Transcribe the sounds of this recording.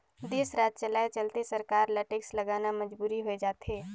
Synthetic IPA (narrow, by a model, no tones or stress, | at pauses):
d̪eːsɾaːt̪̚t͡ʃəlaːet͡ʃəlt̪esəɾkaːɾləʈekslɐɡaːnaməd͡ʒbuːɾiɦoed͡ʒaːt̪ɦeː